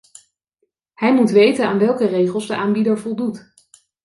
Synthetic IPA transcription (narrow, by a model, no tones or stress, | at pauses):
hɛjmutʋejtənaːnʋɛlˠkərejχəlˠzdəʔaːmbidəɹvɔlˠdut